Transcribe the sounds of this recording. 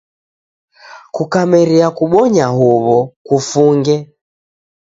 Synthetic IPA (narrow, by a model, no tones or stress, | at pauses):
kukamɛɾiakuɓɔɲaɦuβɔkufuŋɡɛ